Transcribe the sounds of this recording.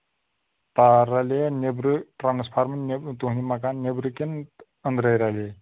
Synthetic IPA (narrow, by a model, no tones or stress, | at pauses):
t̪aɾalenebɾɨʈɾanspʰaɾmənet̪uɦnimakannebɾɨken | ənd̪ɾəjɾalʲe